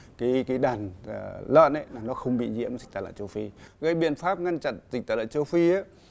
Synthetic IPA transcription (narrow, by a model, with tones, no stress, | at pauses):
kaː˨˦jkaː˨˦jɗaː˨˩n˨lə̰ː˧˨nʔə˨˦jnaː˨˩nɔ˨˦xə˧wŋ͡mɓḭ˧˨zḭ˧˥əmzi˨˩k̚t̪aː˨˩lə̰ː˧˨˩nt͡ɕə˧wfi˧ɣə˨˧˦jɓḭ˧˨ənfaː˦˥p̚ŋa˧ŋt͡ɕa̰˧˨nzï̟˨˩t̪aː˨˩lə̰˧˨nt͡ɕə˧wfi˧a˨˦